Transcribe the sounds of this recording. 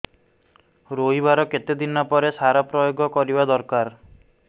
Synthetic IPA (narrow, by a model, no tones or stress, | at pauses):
ɾoɦibaɾɔket̪ed̪inapɔɾesaɾapɾɔjoɡɔkɔɾibad̪ɔɾkaɾ